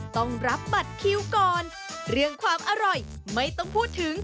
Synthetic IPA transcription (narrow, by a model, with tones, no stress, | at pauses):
t̪ɔ˥˩ŋɾa˦˥p̚ba˨˩t̪̚kʰi˨˧wkɔː˨˧n | ɾɯ˥˧˩əŋkʰwaː˧mʔa˧ɾɔ˨˩j | ma˥˩jt̪ɔ˥˩ŋpʰuː˥˩t̪ʰːɯ˩˦ŋ